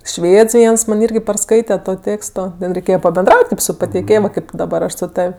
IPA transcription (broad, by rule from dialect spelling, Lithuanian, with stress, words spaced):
ˈʃʲʋʲeːts ˈʋʲiɛns mɐnʲ ˈɪrʲɡʲɪ pɐrˈskɐɪtʲɛ ˈtoː ˈtʲeːkstoː dɐ rʲɛɪˈkʲeːjɛ pɐbʲɛnˈdrɐʊtʲ kɐɪp sʊ pɐtʲɛɪˈkʲeːjoːm ˈkɐɪp dɐˈbɐr ˈɐʃ sʊ ˈtɐw